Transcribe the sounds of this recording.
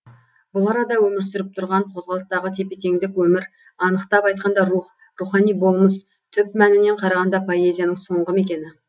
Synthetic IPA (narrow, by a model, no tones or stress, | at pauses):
bʊlˠɑɾɑd̪ɑwɵmɪɾsʏɾɪp̚t̪ʰʊɾʁɑɴqʰo̞zʁɑlˠəst̪ɑʁət̪ʰe̞pe̞t̪e̞ŋd̪ɪkwɵmɪɾ | ɑnəqt̪ɑpɑjt̪̚qɑnd̪ɑruχ | ruχɑnijbo̞lˠməs | t̪ʰʏpmænɪne̞ɴqʰɑɾɑʁɑnd̪ɑpʰo̞e̞zʲijanəŋso̞ɴʁəme̞kʲe̞nɪ